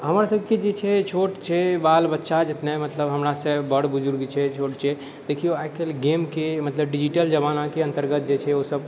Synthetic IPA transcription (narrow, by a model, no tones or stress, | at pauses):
ɦəmɾasəbked͡ʒet͡ʃʰɛt͡ʃʰoʈt͡ʃʰɛbalbətːʃad͡ʒet̪nɛmət̪ləbɦəmɾasə̃bəɽ̤bud͡ʒuɾɡit͡ʃʰɛt͡ʃʰoʈt͡ʃʰɛ | d̪̥ekʰijoajkelɡemkemət̪ləbɖid͡ʒiʈəld͡ʒəbanakeə̃nt̪əɾɡət̪̚d͡ʒet͡ʃʰɛosəb